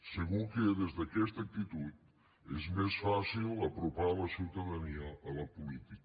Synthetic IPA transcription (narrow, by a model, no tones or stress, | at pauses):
səɣukəðezðəkɛst̪ək̚t̪it̪ut̪̚ | ezmesfasilˠəpɾupaləsiwt̪əðəniəːləpulit̪ik